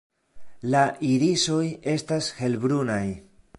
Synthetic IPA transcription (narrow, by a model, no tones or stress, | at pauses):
laʔiɾiso̞je̞stashe̞lbɾunaj